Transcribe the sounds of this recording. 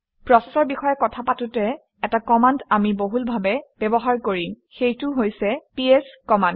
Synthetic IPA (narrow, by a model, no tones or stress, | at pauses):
pɹɔsɛsɔɹbixɔjɛkɔtʰapatʊtɛ | ɛtakɔmandamiboɦulbʱabɛb̥ɛbɔɦaɹkoɹi | xejtʊɦojsɛpieskɔmand